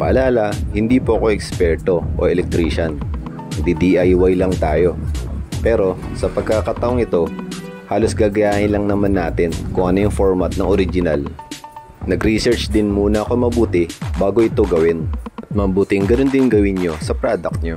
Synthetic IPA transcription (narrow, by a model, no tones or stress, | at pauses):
pɐ̰ʔɐlaːlɐhɪnd̪iːpoʔɐko̞ʔɛkspɛɹt̪o̞ʔo̰ʔɛlɛk̚t̪ɾiːʃɐn | d̪id̪iʔajwajlɐŋt̪aːjo̞pɛːɾo̞sɐpɐɡ̚kakɐt̪ɐʔoŋɪt̪o̞haːlo̞sɡaːɡɐjaːʔɪnlɐŋnɐmanːaːt̪ɪnkʊŋʔɐnojʊŋfoɹmɐt̪̚nɐŋoɾɪd͡ʒɪnal | nɐɡɾisɛɹt͡ʃd̪ɪnmuːnɐʔɐko̞mɐbuːt̪ɪbaːɡo̞ʔɪt̪o̞ɡɐwɪnʔɐt̪̚mɐmbuːt̪ɪŋɡɐnond̪ɪnɡɐwɪnɲo̞sɐpɾaːd̪ɐk̚t̪ɲo